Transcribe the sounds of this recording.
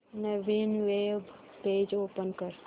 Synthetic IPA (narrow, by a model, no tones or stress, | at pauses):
neʋinʋeb | peːd͡ʒoːpənkəɾ